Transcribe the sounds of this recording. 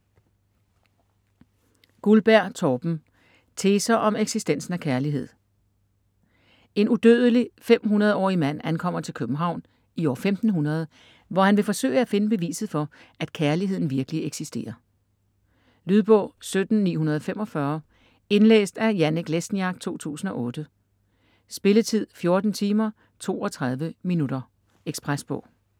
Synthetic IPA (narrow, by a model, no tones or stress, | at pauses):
ɡ̥ulb̥æɐ̰t͡sʰɒːb̥m̩ | t͡sʰe̝ːsɐʔɒ̽meɡ̥sisd̥en̰sn̩ækʰæɐliɦe̝ð̰ˠ | e̝nud̥ø̰ːð̞ˠəlifem̰ɦunɐð̞ˠɒ̰ːimæn̰ænkʰɒ̽m̰ɐt͡sʰe̝lkʰøb̥m̩ɦɑ̈ʊ̰n | iɒ̰ːfemd̥n̩ɦunɐð̞ˠ | ʋɒhænʋe̝fɒ̽sø̰ɪəæfe̝nəb̥e̝ʋḭːsð̩ˠfɒ̽æd̥kʰæɐliɦe̝ð̞̰ˠn̩ʋiɐɡ̥əlieɡ̥sisd̥e̝̰ːɐ | lyð̞ˠb̥ɔ̰ʊ̰sød̥n̩nḭːɦunɐð̞ˠɒ̽femɒ̽fɶɐ | e̝nlḛːsd̥æjæneɡ̥lesn̩jɑ̈ɡ̥̚t͡sʰo̝̰ːt͡sʰṵːsn̩ɒ̽ʔɔ̽ːd̥ə | sb̥e̝lət͡sʰið̰ˠfjo̝ːɐd̥n̩t͡sʰiːmɐ | t͡sʰo̝̰ːɒ̽t͡sʰʁað̞ˠʋəminudɐ | eɡ̥sb̥ʁasb̥ɔ̰̽ʊ̰